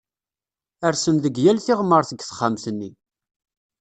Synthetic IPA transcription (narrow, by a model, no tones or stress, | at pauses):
əɾsənðəɡjælθɪʁmːəɾˤθəɡθə̥χːamθənːi